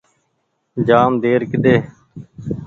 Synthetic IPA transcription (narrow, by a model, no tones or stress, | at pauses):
d͡ʒaːmd̪eːɾkɪɗ̪eː